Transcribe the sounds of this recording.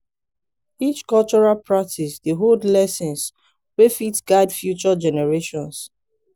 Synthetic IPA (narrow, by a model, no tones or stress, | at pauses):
it͡ʃkɔlt͡ʃɔɹalpɹak̚tʰisdeɦodlɛsɛ̃ns | wefitsɡ̥aɪdfjut͡ʃɔd͡ʒɛnɛɹeʃɔ̃ns